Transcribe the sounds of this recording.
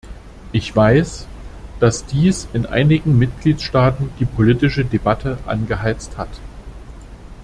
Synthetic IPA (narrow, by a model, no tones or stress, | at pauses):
ʔɪçv̥aɪsd̥asd̥iːsɪnʔa̰ɪnɪɡŋ̩mɪtɡ̥liːtʃtaːtn̩d̥iːpʰolitɪʃədebatʰəʔa̰nɡəɦaɪt͡sthat